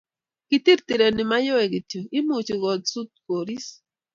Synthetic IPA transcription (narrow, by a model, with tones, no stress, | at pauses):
ki˦ti˦ɾti˨ɾe˨ni˨ma˦jɔ˦ɛ˨ɡi˨tjo˨i˦mu˨t͡ʃi˨ɡɔ˨dsu˦t̪̚ko˨ɾi˦s